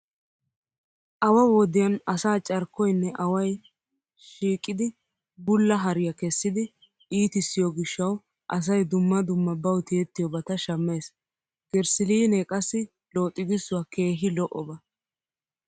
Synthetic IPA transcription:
ʔɐwɐwɔd̪ɪjɐnɐsaːt͡ʃʼɐɾkːɔjnːɛʔɐwɐj | ʃiːkʼːɪd̪ɪ | bʊlːɐɦɐɾɪjɐkɛsːɪd̪ɪ | iːt̪ɪsːɪjɔɡɪʃːɐw | ʔɐs̬ɐjd̪ʊmːɐd̪ʊmːɐbɐwt̪iɛt̪ːɪjɔbɐt̪ɐʃɐmːe̞ːs | ɡ̥ɛɾsɪliːnɛkʼɐsːɪ | lo̞ːt̪ʼːɪɡɪsːʊwɐke̞ːɦɪlɔʔɔbɐ

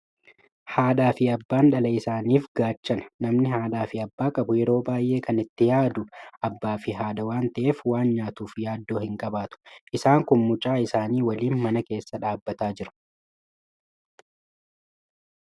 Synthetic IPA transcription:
haːᶑaːfɪɐbːaːnᶑɐlɐɪsaːniːfɡaːt͡ʃːɐnɐ̥nɐmnɪɦaːᶑaːfɪɐbːaːkʼɐbʊjɛɾo̞ːbaːjʔʔe̞ːkɐnɪt̪ːɪjaːd̪ʊɐbːaːfɪɦaːd̪ɐwaːnt̪ɐʔe̞ːfwaːnɲaːt̪uːfjaːd̪ːo̞ːhɪŋkʼɐbaːt̪ʊ̥ʔɪsaːŋkʊnmʊt͡ʃʼaːɪsaːniːwɐliːnmɐnɐke̞ːsːɐᶑaːbːɐt̪aːd͡ʒɪɾʊ̥

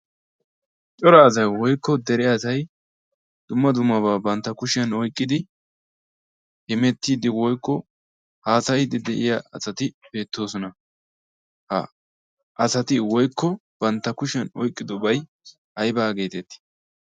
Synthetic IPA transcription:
t͡ʃʼɔɾaːs̬ɐjwɔjkːɔd̪ɛɾɪaːsɐj | d̪̥ʊmːɐd̪ʊmːɐβaːbɐnt̪ːɐkʊʃɛnɔjkʼːɪd̪ɪ | hɛmɛt̪ːiːd̪ɪwɔjkːɔ | haːsɐjd̪ɪd̪ɛʔɪjaɐsɐt̪ɪbe̞ːt̪ːo̞ːsɔnɐ | hɐ̰ | ʔɐsɐt̪ɪwɔjkːɔb̥ɐnt̪ːɐkʊʃɛnɔjkʼːɪd̪ɔbɐj | ʔɐjbaːɡe̞ːt̪ɛt̪ːɪ̥

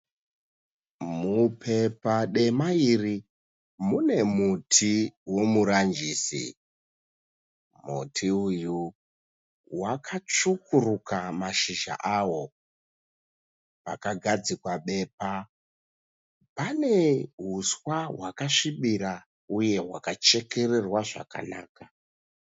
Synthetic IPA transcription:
mupʰe̞paɗe̞mairi | mune̞mutʰiwo̞muɾand͡ʒiːsḭ | mṵtʰiuju | wakʰat͡ʂukurukʰamaʃiʒa̰ʔawo̞ | pakaɡʱad͡zikwaɓe̞ːp̚a | pane̞ɦuswawakaʂiɓiɾa | uje̞wa̰kat͡ʃe̞ke̞re̞rwaʐa̰ka̰naːka

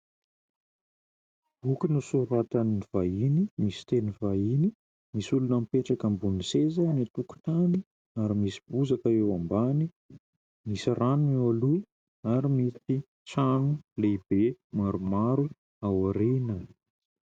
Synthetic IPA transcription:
ukinusuɾat̪aniiv̥ainimisi̥t̪enivaini | misulunəmpeʈ͡ʂakəmbunisezənit̪uku̥t̪ani | aɾimisi̥buzakaewambani | misiranunewalu | aɾimit̪i | ʈ͡ʂanuleib̥emaɾumaɾu | awaɾinə

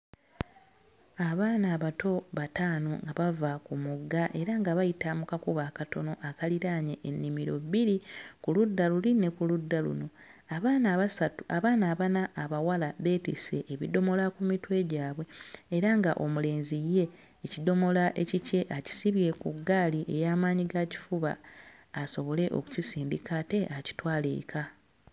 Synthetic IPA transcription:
aβaːnaːβato̞βataːno̞ŋɡaβavakumuɡːaʔe̞ɾaŋɡaβajitamukakuβaːkato̞no̞ʔakaliɾaːɲeʔːnːimiɾo̞̰βiɾikuludːaluline̞kuludːalṵno̞ | aβaːnaasauaβaːnaːβanaʔːβawalaβe̞ːtise̞̰ʔeβido̞mo̞lakumitwe̞ɟaːβwe̞ːɾaŋɡaʔo̞mule̞ːnzijːe̞ː | cido̞mo̞laʔe̞cice̞ʔaci̥siβje̞kuɡːaːliʔe̞̰jaːmaːɲiɡaci̥fuβa̰ː | so̞βo̞le̞ʔo̰ku̥cisiːndikate̞ʔaci̥twaːlḛːkʰa

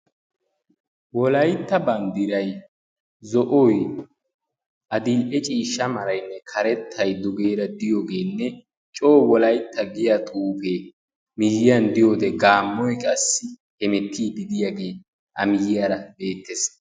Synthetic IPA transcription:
wɔlɐjt̪ːɐbɐnd̪ɪɾɐj | zɔʔɔj | ʔɐd̪ɪlʔɛt͡ʃʼiːʃːɐmɐɾɐjnːɛkʰɐɾɛt̪ʰːɐjd̪ʊɡe̞ːɾɐd̪ɪjoːɡe̞ːnːɛ | t͡ʃʼo̞ːwɔlɐjt̪ʰːɐɡɪjat̪ʼuːpe | mɪjɪjɐnd̪ɪjo̞ːd̪ɛɡaːmːɔjkʼɐsːɪ | hɛmɛt̪ʰːiːd̪ɪd̪ɪjaːɡe̞ː | ʔɐ̰mɪjɪjaɾɐbe̞ːt̪ʰːes

